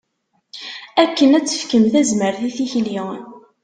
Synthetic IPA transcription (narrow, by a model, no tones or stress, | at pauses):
ækːənæt͡sːə̥fkəmθæzməɾθiθiçliʁən